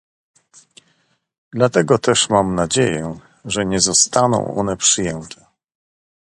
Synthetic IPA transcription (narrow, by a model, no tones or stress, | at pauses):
d̪lat̪ɛɡɔt̪ɛʂmamnad͡ʑejɛ | ʐɛɲɛzɔst̪anɔ̰̃w̃ɔ̰nɛpʂɘjɛnt̪ʰɛ̥